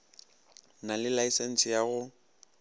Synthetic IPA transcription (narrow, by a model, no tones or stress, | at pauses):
nalɪlaisen̩sɪjaɣʊ